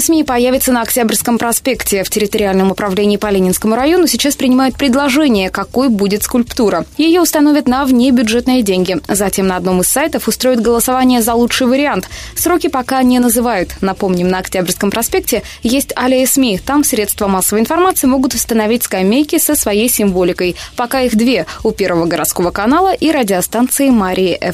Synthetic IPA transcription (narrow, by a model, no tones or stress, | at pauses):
smʲipɐjaævʲɪt̪sənəɐktʲabrʲskəmpɾɐspʲe̞ktʲɪftʲɪɾʲɪt̪əɾʲɪalʲnəmʊpɾɐvlʲenʲɪːpɐlʲenʲɪnskəmʊɾɐjo̞nʊsʲɪt͡ɕaspɾʲɪnʲɪmajʊt̪̚pɾʲɪd̪lˠɐʐɛnʲɪjəkɐko̞jəbudʲɪt̪skʊlʲpt̪uɾəjɪjoʊst̪ɐnovʲɪt̪nəvnʲebʲʊʐɛt̪nɨjədʲenʲɡʲɪzɐtʲe̞mnəɐd̪no̞mɨsːajt̪əfʊst̪ɾo̞jɪt̪ɡəlˠəsavanʲɪjəzɐlˠuʂɨjvəɾʲɪant̪sɾo̞kʲɪpɐkanʲɪnəzɨvajʊt̪nɐpo̞mnʲɪmnəɐktʲabʲrʲskəmpɾɐspʲe̞k̚tʲɪ | jesʲtʲalʲɪəsmʲit̪amsɾʲe̞t̪st̪vəmasːəvəjɪnfɐrmat̪sɨɪmo̞ɡʊt̪ʊst̪ənɐvʲitʲskɐmʲejkʲɪsəsvɐjejsʲɪmvo̞lʲɪkəjpɐkaixd̪vʲe̞ʊpʲe̞rvəvəɡəɾʔɐ̰t̪sko̞vəkɐnalˠəʔiɾədʲɪɐst̪ant̪sɨɪmaɾʲʔɪːʔɛf